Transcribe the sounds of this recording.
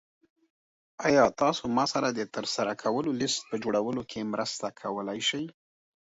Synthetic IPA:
ɑjɑt̪ɑsomɑsaɾad̪ət̪əɾsaɾakʰawəlolɪst̪̚pəd͡ʒoɽawəlokʰemɾəst̪akʰawəlajʃaj

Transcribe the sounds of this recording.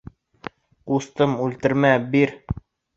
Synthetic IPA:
qust̪ɤmʉlt̪ɘ̆ɾmæbiɾ

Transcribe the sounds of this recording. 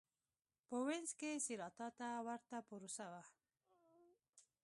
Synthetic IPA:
pəwenzkesiɾɑt̪ɑt̪awaɾt̪apuɾusawa

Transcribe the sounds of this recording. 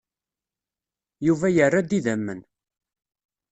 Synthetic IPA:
juvæjərːad̪iðəmːən

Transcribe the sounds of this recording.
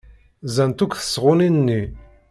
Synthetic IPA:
zænt̪ukθə̥sʁʊninnːi

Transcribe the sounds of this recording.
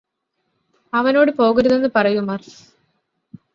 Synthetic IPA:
ɐʋɐno̞ːɽɨpo̞ːɣiɾuðe̞nːɨpɐrɐjumɐr

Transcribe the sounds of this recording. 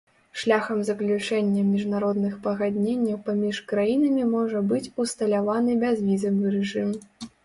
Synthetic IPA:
ʂlʲaxɐmzɐklʲut͡ʂɛnʲːɐmʲiʐnaɾɔd̪nɨxpɐɣad̪ʲnʲenʲːɐwpamʲiʂkɾajinɐmʲimɔʐɐbɨt͡sʲust̪ɐlʲavanɨbʲɛzvʲizɐvɨɾɛʐɨm

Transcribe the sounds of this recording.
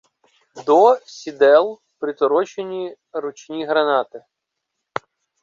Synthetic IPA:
d̪ɔsʲid̪ɛlˠ | pɾɪt̪ɔɾɔt͡ʃenʲi | ɾʊt͡ʃʲnʲiɦɾɐnɑt̪ɪ

